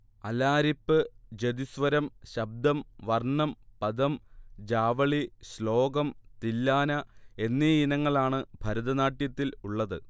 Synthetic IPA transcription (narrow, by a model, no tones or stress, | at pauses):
ɐlaːɾipːɨd͡ʑed̪isʋɐɾɐmɕɐb̚d̪ɐmʋɐrɳɐmpɐd̪ɐmd͡ʑaːʋɐɭiɕlo̞ːɡɐmt̪ilːaːnɐe̞nːeinɐŋːɐɭaːɳɨbʱɐɾɐðɐnaːʈːjɐt̪ːiluɭːɐðɨ